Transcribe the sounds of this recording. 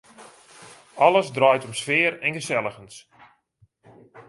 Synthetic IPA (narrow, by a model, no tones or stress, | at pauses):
ɑləsdrœɥtɔmsfɪːərɛnɣəsɛlˠəxəns